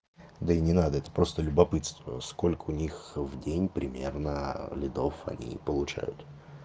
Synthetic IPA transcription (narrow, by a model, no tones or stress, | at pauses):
d̪əɪnʲɪnad̪əɛt̪ə̥pɾo̞st̪əlʲʊbɐpɨt̪st̪vəsko̞lʲkəʊnʲixvdʲenʲpɾʲɪmʲernəlʲɪd̪o̞fɐ̰nʲḭpəlˠʊt͡ɕæ̰jʊ̰t̪